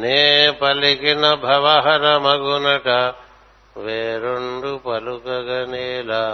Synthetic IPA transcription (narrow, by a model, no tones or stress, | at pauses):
nepɐlikenɐbʱɐʋaɦɐɾɐmɐɡonɐʈa | ʋeːɾoɳɖupɐlukɐɡɐneːla